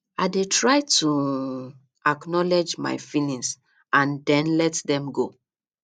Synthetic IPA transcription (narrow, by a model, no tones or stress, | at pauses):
aɪdetɹaɪtʰu | aknɔlɛd͡ʒma̰ɪfinĩs | ãndɛ̃nlɛtdɛ̃mɡo